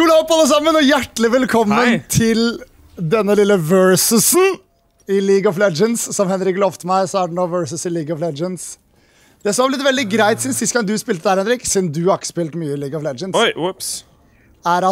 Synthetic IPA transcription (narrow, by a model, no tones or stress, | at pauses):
ʉːlɑɔpːɔɑlːəs̬ɑmːənɔjæʈːlɪʋɛlkʰɔmːənt̪ʰɪl | d̪ɛnːəlɪlːəʋœɹsʉsn | ɪliːɡɔflɛd͡ʒənssɔmhɛnɾɪklɔft̪mæɪsɔæɖɛnoːʋœɹsəsɪliːɡɑflɛd͡ʒənd̪s | d̪̥ɛsɔmɑblɪt̪ʋɛld̪ɪɡɾæɪt̪sɪnsɪskɑŋd̪ʉspɪlt̪əd̪æːɾhɛnɾɪksɪd̪nd̪ʉhɑkspɪlt̪myːəɪliːɡɑʋlɛd͡ʒəns | æɾɑ